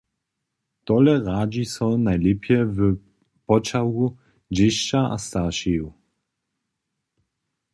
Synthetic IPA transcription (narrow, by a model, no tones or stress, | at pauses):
t̪ɔlɛʁaːd͡ʑisɔnajlɛpʰjɛvə | pɔt͡ʃawu | d͡ʑɪʃt͡ʃaa̰st̪aʃɛju